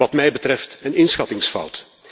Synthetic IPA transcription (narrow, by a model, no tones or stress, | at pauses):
ɑtmɛjbətrɛftənɪnsχɑtɪŋsfʌ̰wt